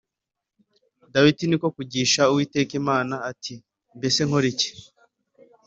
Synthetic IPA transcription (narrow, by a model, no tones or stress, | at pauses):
dawitiniko̞kuɟiːʃauwiːte̞ːkimaːnaːtʰi | mbe̞se̞ŋho̞ɾice̥